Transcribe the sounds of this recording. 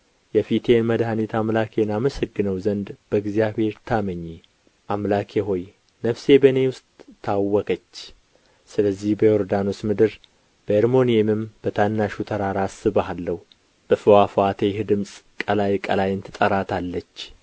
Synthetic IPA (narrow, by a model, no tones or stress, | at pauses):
jɛfit̪ʰe̞nməd̪hanit̪ʰamlakʰe̞naməsəɡːɨnəwzənd̪b̥əɨɡzijaβhe̞ɾt̪ʰaməɲːe | ʔamlakʰeɦo̞j | nəfse̞bəne̞wʊst̪ʼʰːawːɔkʰət͡ʃː | sɨləzːihbəjoɾd̪anosmɨd̪ɨɾ | b̥əeɾmo̞niemɨmb̥ət̪ʰanːaʃut̪ʰəɾaɾasɨβəalːəhu | b̥əfɨwafat̪ʰejhd̪ɨmsʼkʼəlajkʼəlajɨnt̪ʰɨt̪ʼəɾat̪ʰalːət͡ʃː